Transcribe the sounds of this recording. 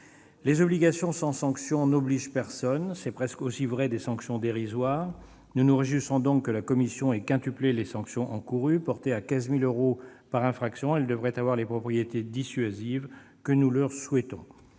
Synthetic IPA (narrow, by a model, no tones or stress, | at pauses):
lezɔbliɡasjɔ̃sɑ̃sɑ̃ksjɔ̃nɔbliʒpɛʁsɔnsɛpχɛskosivʁɛd̪esɑ̃ksjɔ̃d̪eʁizwaːʁ | nunuʁəʒyʁsɔ̃d̪ɔ̃kːəlakɔmisjɔ̃ɛkɛ̃t̪yplelesɑ̃ksjɔ̃ʔɑ̃kuʁypɔʁt̪eakʲɛ̃zmiløʁopaʁɛ̃fχaksjɔ̃ɛld̪əvʁɛt̪avwaʁlepχɔpχijet̪ed̪isɥaziv | kənulœʁswɛt̪ɔ̃